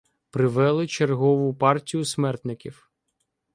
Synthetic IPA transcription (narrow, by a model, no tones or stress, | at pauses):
pɾɪʋɛlˠɪt͡ʃerɦɔʋʊpɑrtʲijʊsmɛrt̪nɪkʲiw